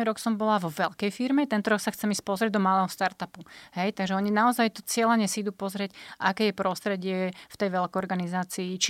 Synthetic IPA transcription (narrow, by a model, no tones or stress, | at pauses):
ɾɔksɔmbɔlaʋɔʋɛʎkɛjfiɾmɛt̪ɛnt̪ɔɾɔksaxt͡sɛmispɔzɾɪɛɟd̪ɔmalɛːɦɔst̪aɾt̪apuhɛjt̪aɡʒɛɔɲinaɔzajt̪ɔt͡sɪɛlaɲɛsiid̪uːpɔzɾɪɛcʔakɛːjɛpɾɔst̪ɾɛɟɪɛft̪ɛjʋɛlkɔɾɡanizaːt͡siːt͡ʃ